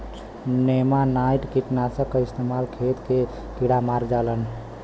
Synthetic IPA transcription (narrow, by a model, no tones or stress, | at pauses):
nemanajʈkiʈnasə̃kəist̪emalkʰet̪ke | kiɽamaɾd͡ʒalən